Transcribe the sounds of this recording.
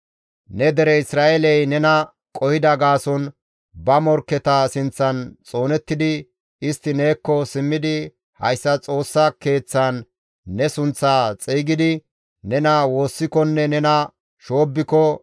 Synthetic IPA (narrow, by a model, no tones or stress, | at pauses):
nɛd̪ɛɾɛɪsɾaːʔelɛjnɛnɐ | kʼɔhɪd̪ɐɡaːsɔn | bɐmɔɾkːɛt̪ɐsɪnt͡sːɐnt͡sʼo̞ːnɛt̪ːɪd̪ɪ | ɪst̪ːɪneːkːɔsɪmːɪd̪ɪ | hɐ̰jsːɐt͡sʼo̞ːsːɐke̞ːt͡sːanː | ɛsʊnt͡sːaːt͡sʼiːɡɪd̪ɪ | nɛnɐwo̞ːsːɪkɔnːɛnɛnɐ | ʃo̞ːbːɪkɔ